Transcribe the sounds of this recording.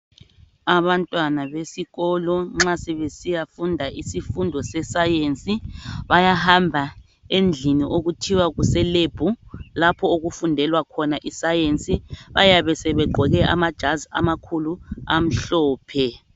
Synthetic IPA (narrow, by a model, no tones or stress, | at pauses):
aβantʼwanaβesiɣɔlɔŋ͡ǁasɛβesijafundʱaʔisifundʱɔsɛsajent͡sʼiβajahambʱa | end͡ɮʱiniʔoɣutʰiwaɣusɛleb̥ʱulapʰɔoɣufundʱɛlwakʰɔnaʔisajent͡sʼiβajaβɛsɛβɛɡ͡ǃʱɔɣɛʔa̰mad̥ʒ̥ʱaza̰makʰuluam̩ɬɔːpʰɛ